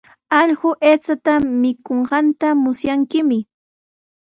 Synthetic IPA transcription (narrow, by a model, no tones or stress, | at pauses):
ɑʎɢʊʔeːt͡sat̪amɪkoɴɢɑnt̪amʊsjaŋkɪmɪ